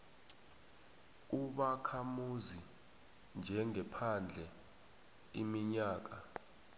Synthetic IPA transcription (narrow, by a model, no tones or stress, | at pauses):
uɓakʰamuzi | nd͡ʒʱɛŋɛpʰand͡ɮʱɛ | imiɲaːk̬a